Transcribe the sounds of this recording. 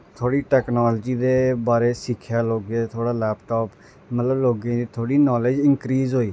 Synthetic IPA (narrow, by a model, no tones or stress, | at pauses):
t̪ʰoːɽiːʈɛːknɔːlːd͡ʒiːd̪eːbaːɾeːsɪkʰːjaːloːɡẽːt̪ʰoːɽaːlɛːpʈɔːp | mət̪ləbloːɡẽːd̪it̪ʰoːɽiːnɔːled͡ʒɪ̃nkɾiːzɦoːiː